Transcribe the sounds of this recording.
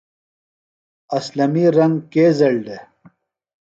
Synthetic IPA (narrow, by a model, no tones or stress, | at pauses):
ɐslɐmiɾɐŋɡkeːzɐɭɖe